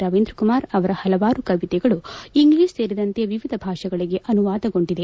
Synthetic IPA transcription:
ɾaːʋeːnd̪ɾɐkumaːɾɐʋɐɾɐhɐlɐʋaːɾukɐʋit̪ɛɡɐɭuiŋɡliːsse̞ːɾid̪ɐnt̪eʋiʋid̪ʱɐbʱaːʂɐɡɐɭiɡe̞ʔɐnuʋaːd̪ɐɡo̞ɳɖid̪e

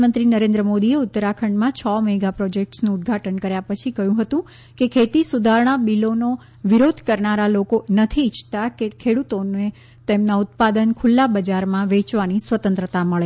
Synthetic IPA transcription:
mənt̪ɾinəɾẽnd̪ɾəmod̪ieʊt̪ːəɾakʰəɳmãt͡ʃʰɔmɛɡapɾɔd͡ʒek̚ʈsnũːt̪̚ɡʱaʈənkəɾjapət͡ʃʰikəɦjũɦət̪ũ | kekʰet̪isud̪ʱaɾɳ̃abilono | ʋiɾod̪ʱkəɾnaɾalokonət̪ʰiːt͡ʃʰt̪akekʰeɽut̪one | t̪emnaʊt̪̚pad̪ənkʰʊlːabəd͡ʒaɾmãʋet͡ʃʋanisʋət̪ə̃nt̪ɾət̪aməɭe

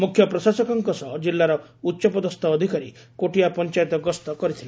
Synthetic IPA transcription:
mukʰjɔpɾɔsasɔkɔŋkɔsɔd͡ʒilːaɾɔ | utːʃɔpɔd̪ɔst̪ʰɔːd̪ʱikaɾi | koʈijapɔnt͡ʃajt̪ɔɡɔst̪ɔkɔɾit̪ʰila

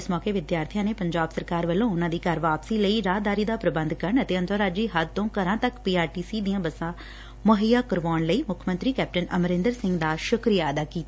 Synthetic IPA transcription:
ɪsmɔːkeːʋɪd̪jaːɾt̪ʰijãːneːpəɲd͡ʒaːbsəɾkaːɾʋəlõːʊnãːd̪iːkəɾʋaːpsiːləiːɾaːd̪aːɾiːd̪aːpɾəbənd̪kəɾəɳət̪eːənt̪əɾaːd͡ʒiːɦəd̪̚t̪õːkəɾãːt̪əkpiːaːɾʈiːsiːd̪ijãːbəsãː | məɦəjaːkəɾʋaːɳləiːmʊkʰmə̃nt̪ɾiːkɛːp̚ʈənə̰mɾɪ̃nd̪əɾsɪ̃ŋɡd̪aːʃʊkɾijaːəd̪aːkiːt̪aː

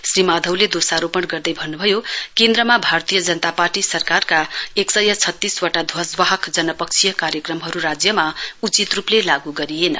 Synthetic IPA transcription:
srimad̪ʱʌwled̪osaɾopʌɽɡʌrd̪ʌjbʱʌnːubʱʌjokend̪ɾʌmabʱart̪ijʌd͡zʌnʌt̪aparʈisʌrkarkaeksʌjʌt͡sʰʌt̪ːiswaʈad̪ʱwʌswaɦʌkd͡zʌnʌpʌk̚t͡sʰijʌkaɾjʌkrʌmɦʌɾuɾad͡zjʌmaut͡sit̪ruplelaɡuɡʌɾijenʌ̰

